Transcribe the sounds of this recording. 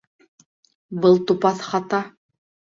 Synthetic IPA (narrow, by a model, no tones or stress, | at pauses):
bɤlˠt̪upɑθχɑt̪ɑ